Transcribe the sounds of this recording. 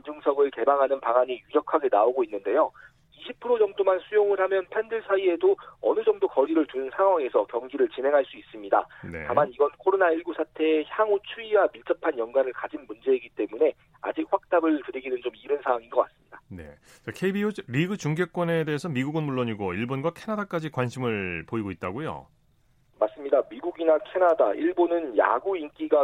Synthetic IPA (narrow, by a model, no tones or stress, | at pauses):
ind͡ʑɯŋsʰʌɡɯɭke̞baŋɦanɯnpaŋaɲijuɾjʌkʰaɡe̞naoɡoinːɯnde̞jo | iɕʰipʰɯɾod͡ʑʌŋdomansʰujoŋɯɭɦamjʌnpʰe̞ndɯɭsʰaie̞doʌnɯd͡ʑʌŋdokʌɾiɾɯɭtunsʰaŋɦwaŋe̞sʰʌkjʌŋɡiɾɯɭt͡ɕinɦe̞ŋɦaɭs͈uis͈ɯmɲida̰nḛamaniɡʌnkʰoɾonaiɭɡusʰatʰe̞ːçjaŋot͡ɕʰuiwamiɭt͡ɕ͈ʌpʰanjʌŋɡwaɾɯɭkad͡ʑinmund͡ʑe̞iɡit͈e̞mune̞ | a̰d͡ʑik̚ɸwak̚t͈abɯɭtɯɾiɡinɯnt͡ɕomiɾɯnsʰawaŋinɡʌk͈a̰s͈ɯmɲidane̞̰ | t͡ɕakʰe̞ibioɾiɡɯt͡ɕuŋɡek̚k͈ʌne̞deːsʰʌmiɡuɡɯnmuɭːoɲiɡoiɭbonɡwakʰe̞nadak͈ad͡ʑikwanɕʰimɯɭpoiɡoit̚t͈aɡojo̰ | mas͈ɯmɲidamiɡuɡinakʰe̞nada̰iɭbonɯnja̰ɡuink͈iɡa